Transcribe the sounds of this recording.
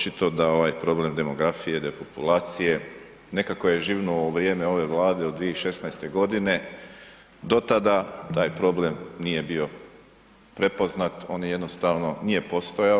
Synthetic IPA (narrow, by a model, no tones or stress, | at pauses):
t͡ʃit̪o̞d̪ao̞ʋajpɾo̞ble̞md̪e̞mo̞ɡɾafije̞d̪epopulaːt̪sije̞ | ne̞kako̞je̞ʒiːʋnouʋɾjeːmeo̞ʋe̞ʋlˠaːd̪e̞od̪d̪ʋieiʃe̞snajst̪e̞ɡo̞d̪ine̞ | d̪o̞t̪ad̪at̪aːjpɾo̞ble̞mnije̞bio̞ | pɾe̞po̞znat̪o̞ːnje̞d̪no̞st̪aʋno̞nije̞po̞st̪oja